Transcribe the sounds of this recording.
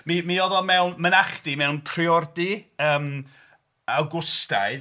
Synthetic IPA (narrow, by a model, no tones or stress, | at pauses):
mimiɔðɔmɛwnmənaχdimɛwnpʰriɔrdiəːm | awɡʊsta̰jð